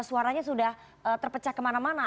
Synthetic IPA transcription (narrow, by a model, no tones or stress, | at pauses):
suaɾaɲasudah | ət̪ərpət͡ʃahkəmanamana